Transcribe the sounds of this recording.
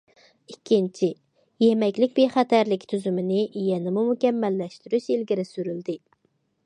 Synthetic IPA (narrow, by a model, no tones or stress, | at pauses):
ikʲʰːint͡ʃʰi | jemɛkʲlɪkʲbeχɛt̪ʰæɾlɪkʲt̪ʰyzymɪnɪʔjɛnɪmumukʲɛmːɛlːɛʃt̪yɾyʃilɡʲiɾɪsyɾyld̪ɪ